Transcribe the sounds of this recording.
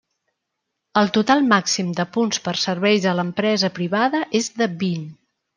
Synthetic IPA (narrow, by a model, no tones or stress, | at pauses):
əlˠt̪ut̪alˠmaksimd̪əpunspərsəɾβɛjzələmpɾɛzəpɾiβaðəʔezðəbin